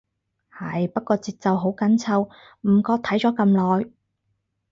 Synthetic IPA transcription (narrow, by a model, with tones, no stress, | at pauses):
hɐ˨˩jpɐ˥t̚kɔː˧t͡siː˨t̚t͡sɐ˨wɦo˨˥wkɐ˨˥nt͡sʰɐ˧w | m̩˨˩kɔː˧t̪ʰɐ˨˥jt͡sɔː˨˥kɐ˧mlɔː˨j